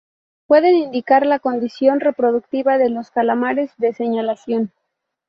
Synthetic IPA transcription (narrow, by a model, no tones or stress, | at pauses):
pwe̞ðe̞nind̪ikaɾlako̞nd̪isjo̞nre̞pɾo̞ðuk̚t̪iβaðe̞lo̞skalamaɾe̞zðe̞se̞ɲalasjo̞n